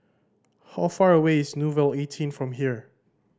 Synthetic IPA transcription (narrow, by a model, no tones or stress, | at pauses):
haʊfaɹəweɪsnuvɛletʰĩnfɹɔ̃mɦiɹ